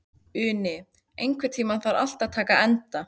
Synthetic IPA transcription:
ʏːnɪ | ejŋkʰvɪɾ̥t̪ʰiːmaθaɾa̰l̥t̪aðt̪ʰaːkaɛnt̪a

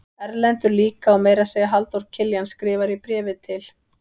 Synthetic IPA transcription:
ɛɾlɛnt̪ʏɾliːkaɔwmeːjɾasejɣaɦalt̪ɔwɾ̥cʰɪljanskɾɪːvaɾipɾɛːvɪt̪ʰɪl̥

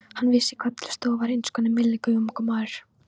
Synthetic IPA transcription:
hanːviːsɪkʰvaːt̪l̥st̪ɔːvaɾejnskɔnɪmɪlːɪkœjmkɔmaɾ̥

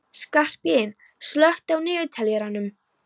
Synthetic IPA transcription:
skar̥pɪɪn | slœht̪awnɪːvɪt̪ʰaljɛɾanʏm

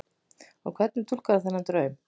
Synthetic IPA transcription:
ɔ̰wkʰvɛt̪nɪt̪ʰulkaðθanːat̪ɾœːɥʏm

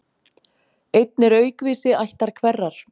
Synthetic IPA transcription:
ejt̪̚nɛɾœːɥkviːsɪajht̪aɾ̥kʰvɛrːaɾ̥

